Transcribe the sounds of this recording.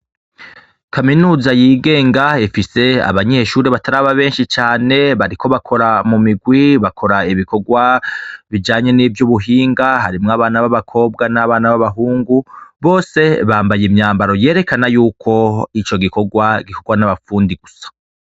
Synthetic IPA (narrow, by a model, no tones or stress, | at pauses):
kʰaminuːzajiːɡe̞ːŋɡaifise̞a̰βaɲe̞ʃuːɾeβataɾaːβaβe̞ːnʃit͡ʃaːne̞βaɾikʰo̞βakʰo̞ɾamumiɡwiβakʰo̞ɾaiβiko̞ɡwaβid͡ʒaːɲe̞nivjuβuɦiːŋɡahaɾimŋaːβaːnaβaβakʰo̞ːb̚ɡanaβaːnaβaβaɦuːŋɡuβo̞ːse̞βaːmbajimɲaːmbaɾo̞je̞ːɾe̞kanajuːkʰo̞it͡ʃo̞ɡiko̞ɡwaɡikʰo̞ɡwanaβafuːndiɡ̥usḁ